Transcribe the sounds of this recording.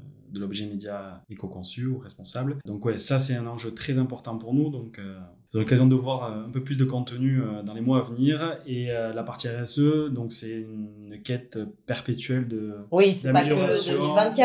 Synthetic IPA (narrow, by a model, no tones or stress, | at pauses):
d̪əlɔbʒɛmed̪jaekɔkɔ̃syuʁɛspɔ̃sabld̪ɔ̃kwɛsas̬ɛt̪ɛ̃nɑ̃ʒøt̪χɛzɛ̃pɔʁt̪ɑ̃puʁnud̪ɔ̃kø | zɔ̃lɔkazjɔ̃d̪əvwaʁøɛ̃pøplys̬d̪əkɔ̃t̪ənyød̪ɑ̃lemwaːvəniʁeølapaʁt̪iɛʁɛsød̪ɔ̃ksɛynnkɛt̪pɛʁpet̪ɥɛld̪əwisedd̪ameljɔasjɔ̃vɛ̃